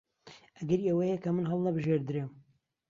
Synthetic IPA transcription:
ʔɐɡɐɾiewɐjɛkɐmɨnɦɐlˠnɐbɨʒeɾd̪ɨɾɨm

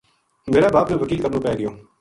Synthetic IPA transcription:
meːɾaːbaːpmẽːʋəkiːlkəɐɾnõːpɛːɡəjoː

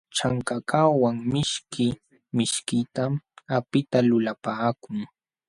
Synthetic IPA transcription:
t͡ʃaŋkakawaŋmɪʃkɪ | mɪʃkɪt̪amapɪt̪alʊlapaːkʊŋ

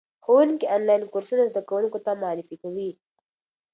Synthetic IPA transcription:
xowuŋkiɔːnlajnkoɾsunazd̪akawuŋkot̪amʊɑːɾɪfikawi

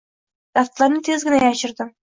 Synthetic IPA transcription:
d̪̥ɑft̪lˠɑɾnɪt̪ʰezɡʲɪnajɑʃɪ̆ɾd̪ɪ

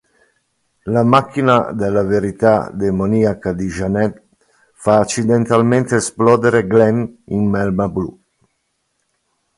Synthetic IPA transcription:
lamakːinad̪elaveɾit̪a̰d̪emoniakad̪iʒanɛt̪ | faːt͡ʃːid̪ent̪alment̪esplɔːd̪eɾeɡlɛninmɛlmablṵ

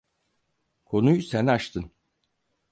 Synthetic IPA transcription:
kʰo̞nujsænaʃt̪ʰɯn

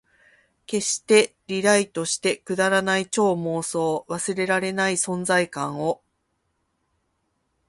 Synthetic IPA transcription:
ke̞ɕi̥t̪e̞ɾʲiɾait̪o̞ɕi̥t̪e̞kɯ̟d̪aɾanait͡ɕo̞ːmo̞ːso̞ːβasɨɾe̞ɾaɾe̞naisõ̞nd͡zaikãɰ̃o̞

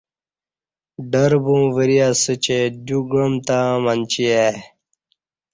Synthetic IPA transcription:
ɖəɾbũːʋəɾijasət͡ɕed̪uɡɾəmt̪ãːmɐnt͡ɕie

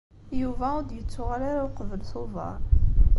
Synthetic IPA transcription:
juvæʊd̪jət͡sːʊʁaɾaɾaoqəvəlθʊvɑ̰ɾˤ

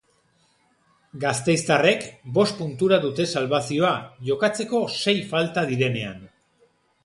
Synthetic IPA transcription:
ɡast̪e̞jst̪are̞kbo̞st̪̚punt̪uɾaðut̪e̞salβasio̞aʝo̞kat͡se̞ko̞se̞jfalt̪aðiɾe̞ne̞a̰n

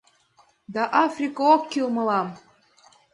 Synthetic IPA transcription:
d̪ɑʔɑfrʲikəokːʲilˠmɤ̆lɑm

